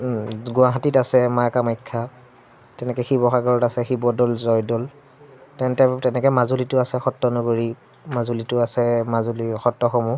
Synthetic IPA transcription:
ɡʊaɦatitasɛmakamajkʰːa | tɛnɛkɛxibɔxaɡɔɹɔtasɛxibɔdɔlzɔjdɔl | tɛntɛtɛnɛkɛmazulitʊasɛxɔtːɔnɔɡoɹi | mazulitʊasɛmazulixɔtːɔxɔmu

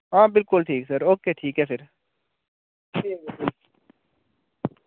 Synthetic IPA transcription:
ɦãːbɪlkʊlʈʰiːksəɾoːkeːʈʰiːkɦɛːfɪɾ | iːbɪkʊl

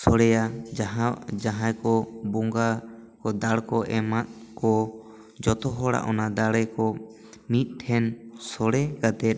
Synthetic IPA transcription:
sɔɽɛja | d͡ʒaɦãjkɔbɔŋɡakɔd̪aɽkɔʔɛmat̪̚kɔ | d͡ʒɔt̪ɔɦɔɽa̰ʔɔnad̪aɽɛkɔ | mit̪̚ˀʈʰɛnsɔɽɛɡat̪ɛt̪̚

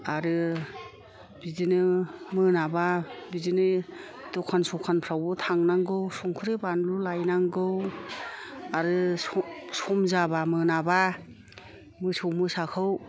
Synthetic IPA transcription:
aɾɯ | bizɯnɯmɯnababizinɯ | dɔkʰansɔkʰanpʰɾawbɯtʰaŋnaŋɡɯwsɔŋkʰɯɾebanlulajnaŋɡɯw | aɾɯ | sɔmzabamɯnaba | mɯsɔwmɯsakʰɯw

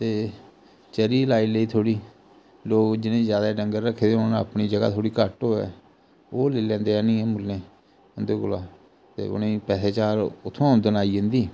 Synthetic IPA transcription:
t̪eː | t͡ʃəɾiːlaːiːləiːt̪ʰoːɽiː | loːkd͡ʒɪnẽːzjaːd̪aːɖəŋɡəɾɾəkʰːeːd̪eoːna̰pɳiːd͡ʒəɡa̰ːt̪ʰoːɽiːkəʈɦoːɛ̰ː | oːleːlɛ̃ːnd̪eːɛːnĩːɛːmʊlːẽː | ʊnd̪eːɡʊlaː | t̪ḛːʊ̰nẽːpɛːseːt͡ʃaːɾʊt̪ʰːõːʊnd̪ənaːiːẽːnd̪iː

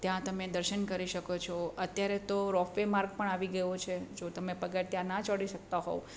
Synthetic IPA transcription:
t̪jãt̪əmed̪əɾʃənkəɾiʃəkot͡ʃʰɔət̪jaɾet̪oɾɔfemaɾɡ̚pəɳaʋiɡəjot͡ʃʰed͡ʒot̪əmepəɡəɾt̪jãnat͡ʃɔɽiʃək̚t̪aɦɔ̰

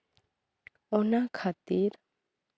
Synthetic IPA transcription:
ɔnakʰat̪iɾ

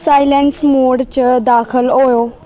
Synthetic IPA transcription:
saːɪlensmoːɽt͡ɕəd̪aːxəlɦojoː

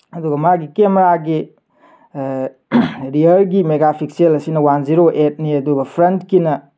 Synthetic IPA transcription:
ɐduɡɐmaɡikemɾaɡi | ɾiɐɾɡimeɡapʰik̚sielɐsinɐwanziɾoʔet̚niɐduɡɐpʰɾentkinɐ

